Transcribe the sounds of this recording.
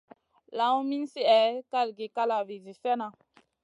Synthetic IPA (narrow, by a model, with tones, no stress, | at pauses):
la˨˦mi˦nsi˦ʔɛ˨ka˦lɡi˨ka˦la˨vi˨zi˨sɛ˦na˨